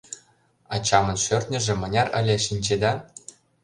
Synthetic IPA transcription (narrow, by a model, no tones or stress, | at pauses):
ɑt͡ɕɑmɤ̆nʃørt̪ʲnʲɘ̆ʒĕmɤ̆nʲɑrə̰̆lʲĕʃinʲt͡ɕed̪ɑ